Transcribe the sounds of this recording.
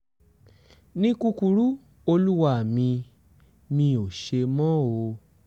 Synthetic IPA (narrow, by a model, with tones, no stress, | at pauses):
nĩ˦ku˦˧ku˧ɾu˦ | o˧lu˦wa˦˨mĩ˧ | mĩ˧o˨ʃe˧mɔ̃˦o˧